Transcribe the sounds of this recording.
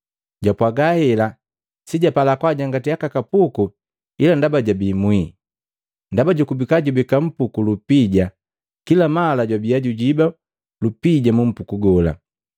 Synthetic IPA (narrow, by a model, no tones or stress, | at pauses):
ɟapwaɡahɛla | siɟapalakwaɟaŋɡatijakakapuku | ilandabaɟabimwi | ndabaɟukubikaɟubikam̩pukulupiɟa | kilamalaɟwabijaɟuɟiba | lupiɟamum̩pukuɡɔla̰